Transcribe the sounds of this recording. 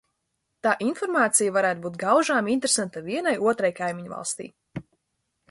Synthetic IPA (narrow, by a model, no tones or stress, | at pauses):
t̪aːʔinfɔɾmaːt̪sijavaɾæːt̪̚buːt̪̚ɡawʒaːmint̪ɾesant̪aviɛnajuɔt̪ɾajkajmʲiɲva̰lˠst̪ḭː